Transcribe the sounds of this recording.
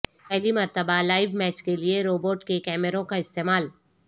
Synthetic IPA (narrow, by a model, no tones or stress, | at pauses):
ɛɦlimɐɾt̪əbalaːɪʋmɛːt͡ʃkelieɾoːboːʈkekɛːməɾõkaɪst̪eːmaːl